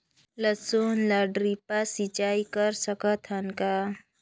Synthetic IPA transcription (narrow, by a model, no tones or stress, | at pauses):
ləsonləɖɾipasit͡ʃaikəɾsəkət̪ʰənka